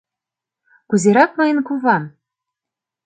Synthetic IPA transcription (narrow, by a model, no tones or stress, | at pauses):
kuzʲeɾɑk̚mɤ̆jɤ̆nkuvɑn